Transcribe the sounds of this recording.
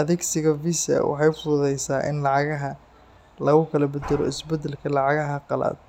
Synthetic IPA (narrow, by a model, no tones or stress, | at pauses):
ʔɐðɛɡsɪɣɐvisɐ̰wɑ̰ħɑjfʊðʊðɛjsaːʔɪ̰nlɑʕɑɣɐɦɐ | lɐɣʊkʰɐlɐbɐd̪ɐlɔ̰ɪsbɛd̪ːɛlkʰɐlɑʕɑɣɐɦɐqɑla̰ːd̪̥̚